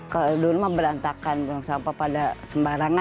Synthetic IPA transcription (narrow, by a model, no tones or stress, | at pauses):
kaduɾmabəɾant̪akanbaŋsampapadasəmbaɾaŋa